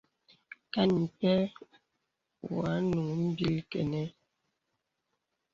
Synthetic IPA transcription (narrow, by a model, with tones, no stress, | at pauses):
ka˦ni˨pɛ˦ | wa˨˦nu˨ŋ˦m̩˦bi˦lkɛ̰˨nɛ˦